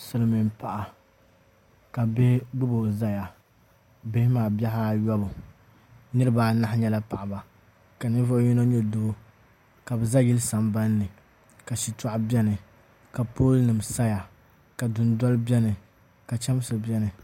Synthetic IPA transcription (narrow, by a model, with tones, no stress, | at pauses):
sɨ˨lmi˨mpa˨ʔa˨ | ka˨be˦hɡ͡bɨ˦bo˨za˦ja˨ | be˦hɪ˦maː˨bɛ˦ha˦jɔ˦bʊ˨ | nɨ˦ɾɨ˦baː˨na˦ɲɛ˦la˦pa˨ʔa˨ba˨ | ka˨nɨ˦vʊ˦ʔji˦no˦ɲɛ˦do˦ | ka˨bɨ˨za˦ɡi˦lsa˨mba˦nː˦ɨ˨ | ka˨ʃi˨tɔ˦ʔbʲɛ˦nɨ˨ | ka˨poː˦lnɨ˨msa˦ja˨ | ka˨dʊ˨n˦dɔ˦lbʲɛ˦nɨ˨ | ka˨t͡ʃɛ˦m˦sɨ˨bʲɛ˦nɨ˨